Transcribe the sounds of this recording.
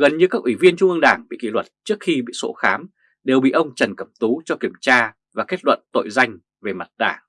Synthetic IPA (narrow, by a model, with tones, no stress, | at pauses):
ɣə˨˩nɲɨ˧kaː˦˥k̚ʔwi˧˩vi˧ənt͡ɕʊ˧ŋ͡mʔɨ˧ə˧ŋɗaː˧˩ŋɓḭ˧˨kḭ˧˩lwə˨˩t̚t͡ɕɨ˦˥ək̚xi˧ɓḭ˧˨so̰˧˥xaː˨˦m | ɗe˨˩wɓḭ˧˨ʔə˧wŋ͡mt͡ɕə˨˩nkə˧˩mt̪u˨˦t͡ɕɔ˧ki˧˩əmt͡ɕaː˧ | vaː˨˩ke˦˥t̚lwə̰˧˨nt̪o̰˧˨jza˧jŋ̟ | ve˨˩ma˨˩t̚ɗa̰ː˧˩ŋ